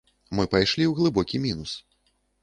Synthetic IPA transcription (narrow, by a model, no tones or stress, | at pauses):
mɨpajʂlʲiwɣlˠɨbɔkʲimʲinus